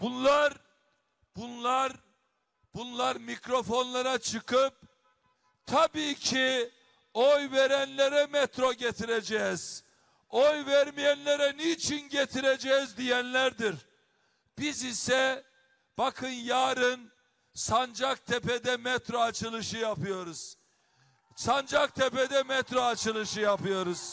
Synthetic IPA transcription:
b̥unlˠaɾ | bunlˠaɾ | b̥unlˠaɾmicɾo̞fo̞nlˠaɾat͡ʃʰɯkʰɯp̚ | t̪ʰabiːcʰi | ojve̞ɾænlʲeɾɛmɛt̪ʰɾoɟet̪ʰiɾed͡ʒɛz̥ | ojvæɾmijænlʲeɾɛnit͡ʃʰinɟet̪ʰiɾed͡ʒɛːzd̪ijænlʲæɾd̪iɾ | b̥izisɛ | b̥akʰɯnjaːɾɯn | sand͡ʒak̚t̪ʰepɛd̪ɛmɛt̪ɾoat͡ʃʰɯlˠɯʃɯjapɯjo̞ɾuz̥ | sand͡ʒak̚t̪ʰeped̪ɛmɛt̪ɾoat͡ʃʰɯlˠɯʃɯjapɯjo̞ɾuz̥

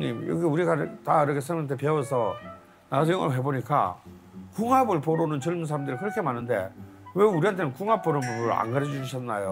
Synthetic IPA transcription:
ɲḭmjʌ̰ɡiuɾiɡataiɾʌkʰesʰɯmant̪ʰepeʌsʰʌ | nasʰʌiŋɡʌɾɦe̞boɲik͈a̰ | kuŋɦabɯɭpoɾonɯnt͡ɕɯɭmuns̬ʰaɾamdɯɾikɯɾʌkʰe̞manːɯndḛ | we̞uɾiɦantʰe̞nɯnkuŋap͈̚oɾɯobɾɯɭa̰ŋɡaɾʌd͡ʑiɕʰanːajo

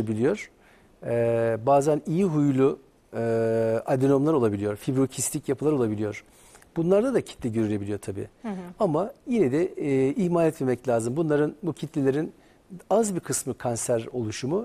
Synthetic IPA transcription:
abilʲijo̞ɾ̥ | ɛbaːzanijiɦujlˠʊ | ad̪ino̞mlˠaɾo̞lˠabilʲijo̞ɾfibɾocʰist̪ʰʲicjapʰɯlˠaɾo̞lˠabilʲijo̞ɾ̥ | b̥unlˠaɾd̪ad̪acʰi̥t̪lʲɛɟøɾylʲe̞bilʲijo̞ɾt̪ʰabḭːamajinɛd̪ɛihmaːlʲɛt̪memɛclʲaːzɯmbunˠaɾɯnbucʰit̪ʰlʲilʲeɾin | azbiɾkʰɯsmɯkʰansæɾo̞lˠuʃumu

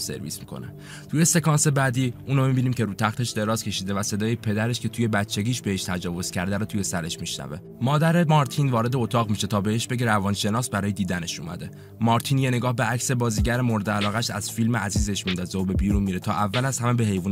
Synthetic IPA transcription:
se̞̰ɾvḭːsmikʰo̰nḛ | t̪ʰuje̞se̞kʰɒːnse̞bæːd̪iːʔuːnomibiːniːmcʰe̞ɾuːt̪ʰæxt̪e̞ʃd̪e̞ɾɒːz̥cʰʲe̞ʃiːd̪e̞væse̞d̪ɒːjepʰe̞d̪æɾe̞ʃcʰe̞t̪ʰuje̞bæt͡ʃʰːe̞ɡʲiːʃbe̞heʃt̪ʰæd͡ʒɒːvo̞z̥cʰæɾd̪æɾot̪ʰuje̞sæɾe̞ʃmiʃnæ̰ve̞̰ | mɒːd̪æɾe̞mɒɾt̪ʰinvɒːɾe̞d̪eot̪ʰɒːɣmiʃet̪ʰɒːbeheʃbe̞ɟeɾævɒːnʃe̞nɒːsbæɾɒːjed̪iːd̪æne̞ʃṵːmæ̰d̪e̞ | mɒːɾt̪ʰiːnjene̞ɡɒːhbe̞ʔæcse̞bɒːziːɟæɾemoɾe̞d̪eælɒːɣæʃæz̥filmeʔæziːzeʃmind̪ɒːzeobe̞biːɾunmiːɾet̪ʰɒːʔævːælæz̥hæmebeɦe̞jvuːn

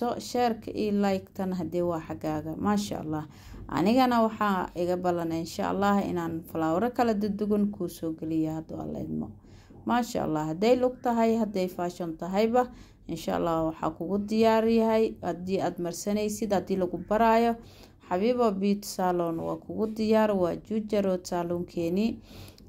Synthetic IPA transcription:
ɔʃɛːrkʰɐʔḭːlajkt̪ʰɐnɦɐd̪ɛwɑːħɑɡaːɣɐmaːʃa̰ʔɑ̰lːɑːh | ʔɐ̰nɪɣɐnɐwɑħɑːʔɪɣɐbɐlɐnɛɪnʃa̰ʔɑ̰lːɑːhɪ̰naːnfɐlaːwɾɐkʰɐlɐd̪ʊd̪ʊɣɪnkʰusɔːɡɛlɪjɐhɐd̪ɔ̰ɐ̰lɛ̰jd̪mɔ̰ | maːʃa̰ʔɑ̰lːɑːhɐd̪ɛjlʊɡt̪ʰɐɦɐjɦɐd̪ɛjfaːʃɔnt̪ʰɐɦɛjbɐ | ʔɪnʃa̰ʔɑ̰lːɑːwɑħɑ̰ːkʰʊɣʊd̪ɪjaːɾjɐɦɛjhɐd̪iːaːd̪mɐrsɐnɛjsɪd̪hɐd̪iːlɐɣʊbɐɾaːjɔ | ħɑβiːβɔbiːt̪salɔnwɑ̰ːkʰʊɣʊd̪ɪjaːɾwɑːd͡ʒud͡ʒɐɾɔt̪saːluːŋkʰɛːni

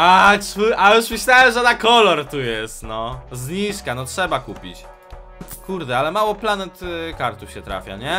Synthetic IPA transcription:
auʔajuʂmɘɕlʲawɛmʐɛd̪akɔlɔɾt̪ujɛst̪nɔzɲiʂkanɔtʂɛbakupʲḭt͡ɕ | kuɾd̪ɛalɛmawɔplanɛt̪kaɾt̪ufɕɛt̪ɾa̰fʲja̰ɲɛ

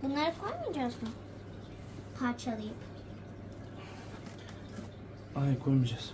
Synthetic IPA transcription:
bunlˠaɾɯkʰojmɯjd͡ʒazun | pʰaɾt͡ʃʰalˠɯjɯp | ajkʰojmid͡ʒas

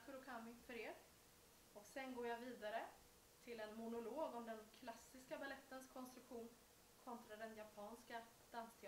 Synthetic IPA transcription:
kəɾɔkʰammɪŋfœɾeːɾ | ɔksɛnɡoːjaviːd̪aɾə | t̪ʰɪlɛnmʊnʊloːɡɔmd̪ɛnkʰlasːɪskabalɛt̪ːənskʰɔnst̪ɾɵkɧuːn | kʰɔnt̪ɾad̪ɛnjapʰɑːnska | d̪̥anst̪ʰɪ

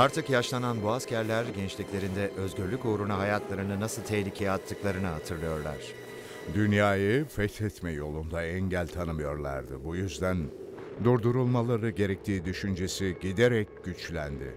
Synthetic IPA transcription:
aɾt̪ʰɯkjaʃlˠananbuascʰæɾlʲæɾɟɛnt͡ʃlʲiclʲe̞ɾind̪ɛʔø̞zɟyɾlʲycoːɾunaɦajat̪lˠaɾɯnɯnasɯlˠt̪ʰɛhlʲicʰejat̪ʰːɯklˠaɾɯnɯɦat̪ʰɯɾlˠɯjo̞ɾlˠa̰ɾ̥ | d̪ynjaːjɯfɛt̪ʰɛt̪mɛjo̞lˠund̪aɛɲɟælʲt̪ʰanɯmɯjo̞ɾlˠa̰ɾd̪ɯ̰bujyzd̪æn | d̪uɾd̪uɾulˠmalˠaɾɯɟe̞ɾɛc̚t̪ʰiːd̪yʃynd͡ʒesiɟid̪eɾɛc̚ɟ̥yt͡ʃlʲæ̰nd̪ɪ̰

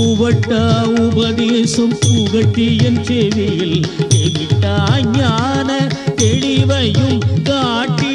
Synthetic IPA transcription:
uʋɐʈːɐʊbɐðeːsɐmpuɣɐʈːiɛnreʋɪjɪleʋɪʈːɐɲaːnɐt̪ɛɻiʋɐjɯmɡaːʈːi

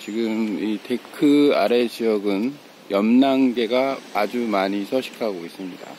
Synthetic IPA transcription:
t͡ɕiɡɯmite̞kʰɯa̰ɾe̞d͡ʑijʌɡɯn | jʌmnaŋɡe̞ɡaːd͡ʑumaɲisʰʌɕʰi̥kʰaɡois͈ɯmɲida̰

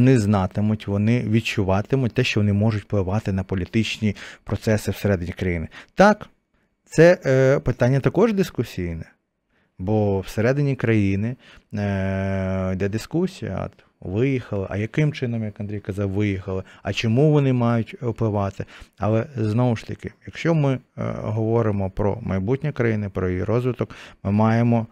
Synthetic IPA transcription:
nɪznɑt̪ɪmʊtʲʋɔnɪʋʲid̚t͡ʃʊʋɑt̪ɪmʊt̚ʲt̪ɛʃt͡ʃɔʋɔnɪmɔʒʊtʲplˠɪʋɑt̪ɪnɐpɔlʲit̪ɪt͡ʃnʲipɾɔt̪sɛsɪwseɾɛd̪ɪnʲikɾɐjinɪt̪ɑk | t̪sɛpɪt̪ɑnʲːɐt̪ɐkɔʒd̪ɪskʊsʲijnɛ | bɔwseɾɛd̪ɪnʲikɾɐjinɪ | d̪ɛd̪ɪskusʲijɐ̰ | ʋɪjixɐlˠɐʔɐjɐkɪmt͡ʃɪnɔmjɐkɐnd̪ɾʲijkɐzɑwʋɪjixɐlˠɪɐt͡ʃɔmuʋɔnɪmɑjʊtʲɔplˠɪʋɑt̪ɪɐlˠɛznɔwʊʃt̪ɐkɪjɐkʃt͡ʃɔmɪɦɔʋɔɾɪmɔpɾɔ̰mɐjbutʲnʲikɾɐjinɪpɾɔjijiɾɔzʋɪt̪ɔkmɪmɑjemɔ

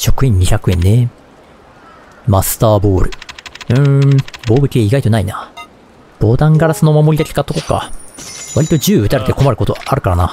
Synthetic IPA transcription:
ɕo̞kɯ̟ẽ̞ɲ̟ːiçakɯ̟ẽ̞̰nne̞ | masɨ̥t̪aːbo̞ːɾɯ̟̰ɯ̟̃bo̞ːbɯ̟kʲieiɡait̪o̞naina | b̥o̞ːd̪ãŋɡaɾasɨno̞mamoɾʲid̪ake̥kat̪ːoko̞ka̰βaɾʲit̪o̞ʑɨːɯ̟t̪aɾe̞t̪e̞ko̞maɾɯ̟ko̞t̪o̞aɾɯ̟kaɾana

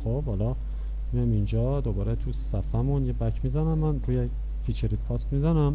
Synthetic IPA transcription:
xob̥hɒlɒ | mijamind͡ʒɒːd̪obɒːɾet̪ʰussæfæmunjebæcʰmizænæmːænɾuːje | fit͡ʃʰeɾit̪̚pʰɒst̪mizænæm

